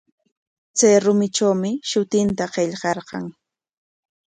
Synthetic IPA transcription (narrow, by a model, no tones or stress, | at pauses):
t͡sajɾʊmɪʈ͡ʂawmɪʃʊt̪ɪnt̪aqeʎɢɑɾɢɑ̰ŋ